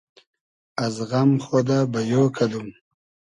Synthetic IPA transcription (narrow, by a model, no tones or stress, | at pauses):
azɣamχod̪abajokʰad̪um